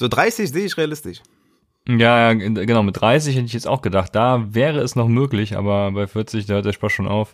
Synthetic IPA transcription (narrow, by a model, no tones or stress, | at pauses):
z̥oːdʁaɪsɪçzeːɪçʁeːalɪstɪʃ | jaːjaːɡənaʊmɪt̚d̥ʁaɪs̬ɪçhɛtəɪçjɛt͡sta̰ʊxɡ̥ədaχt̚d̥aːvɛːʁəɛsnɔχmøːklɪçʔa̰ːbɐbaɪfɪɐt͡sɪçd̥aːhøːɐtd̥eɐʃpasʃoːnʔa̰ʊf